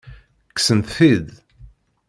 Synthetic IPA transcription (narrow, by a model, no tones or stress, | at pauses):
kːsənt̪θið